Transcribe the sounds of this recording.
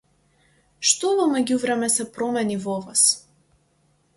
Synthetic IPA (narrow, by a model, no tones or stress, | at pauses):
ʃt̪ɔvɔmɛɟʲuvɾɛmɛsɛpɾɔmɛnivɔvas